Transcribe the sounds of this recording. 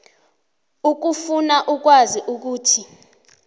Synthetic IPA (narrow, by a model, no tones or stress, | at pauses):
uk̬ufunaʔuk̬waziʔuk̬uːtʰi